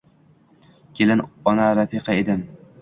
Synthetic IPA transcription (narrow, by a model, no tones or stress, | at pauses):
kʲʰelɪnɒnaɾafiqɑed̪ɪm